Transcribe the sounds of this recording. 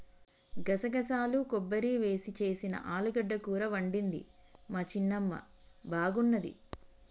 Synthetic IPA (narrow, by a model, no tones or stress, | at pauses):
ɡɐsɐɡɐsaːlukɔbːɐɾiʋe̞ːsit͡ʃe̞ːsinɐ̰ʔaːluɡɐɖːɐkuːɾɐʋɐɳɖind̪ḭmaːt͡ʃinːɐmːɐ̰ | bʱaːɡunːɐd̪ḭ